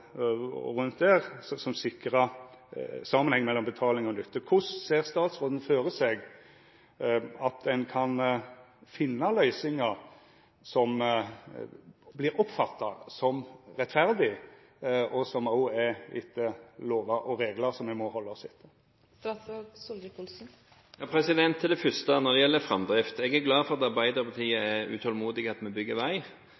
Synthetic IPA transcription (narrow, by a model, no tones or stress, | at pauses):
ʁʉnt̪̚d̪æːʁsɔsɔmsɪkɾɑ | sɑmːənhɛŋːmɛlːɔmbət̪ʰɑːlɪŋɔnʏt̪ʰːəkʰʊsseːʁst̪ɑːt̪sʁoːd̪n̩føːɾəsɛɡ | ɑt̪ɛnkʰɑn | fɪnːɑlœʏsɪŋɑ | sɔm | blɪɾɔpfɑt̪ːɑsɔmɾɛt̪ːfæɾd̪ɪ | ʔɔsɔmɑʊɛɪ̰t̪ːəloːʋɑʔɔɾeːɡləɾsɔmːɛɡmɔhɔlːəɔsɪt̪ʰːə | st̪ɑsɑsɔlɡəkʊlsn̩ | jɑpʰɾɛsɪd̪ɛnt̪ʰːɪld̪ɛfʏst̪ənɔɾd̪ɛjɛlːəfɾɑmd̪ɾɪft̪ɛɡæɾɡlɑːfɔɾʁɑt̪ɑɾbæɪd̪əɾpʰɑt̪ʰiːəɛɾʉ̰t̪ʰɔlmuːd̪ɪɡəɑt̪mɛbʏɡːəɾʋæɪ